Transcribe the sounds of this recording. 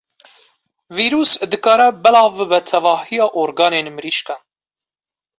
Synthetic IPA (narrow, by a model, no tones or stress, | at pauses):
viːɾuːsd̪ɨkɑːɾɛbɛlɑːvɨbɛt̪ʰɛvɑːhijɑːʔoɾɡɑːneːnmɨɾiːʃkɛ